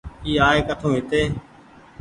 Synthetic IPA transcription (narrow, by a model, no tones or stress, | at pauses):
iːaːeːkəʈ̪ʰõːɦɪt̪eː